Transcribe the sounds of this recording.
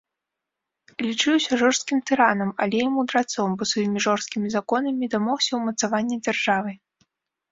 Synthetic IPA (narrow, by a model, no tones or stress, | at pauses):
lʲit͡ʂɨwsʲɐʐɔʂst̪̚kʲimt̪ɨɾanɐmalʲɛjamud̪ɾat̪sɔmbɔsvajimʲiʐɔʂskʲimʲizakɔnɐmʲid̪amɔwsʲɐwmɐt̪savanʲːid͡zʲarʐavɨ